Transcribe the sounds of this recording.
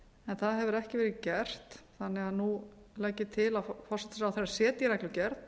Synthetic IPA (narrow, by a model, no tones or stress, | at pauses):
ɛnθaðɦɛvʏɾɛhcɪvɛːɾɪðcɛr̥t̪θanːɪɣaðnulɛcːɪt̪ʰɪlaðfɔsɛ̥t̪asawθeɾasɛːt̪jɛnahklʏcɛɾt̪